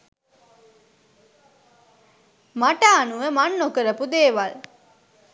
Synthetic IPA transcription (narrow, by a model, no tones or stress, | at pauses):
maʈaːnuʋəmanːokəɾəpud̪eːʋal